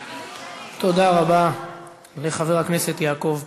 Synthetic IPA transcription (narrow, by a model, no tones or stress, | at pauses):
t̪o̞d̪aʁaba | le̞χave̞ʁhakne̞se̞t̪jaːko̞v